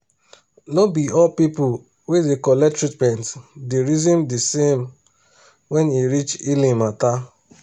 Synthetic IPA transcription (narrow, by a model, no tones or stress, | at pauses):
nobiɔpipʊ | wedekɔlɛtɹit̚pɛ̃ntdeɾizĩmdisem | wɛniɾit͡ʃilĩmata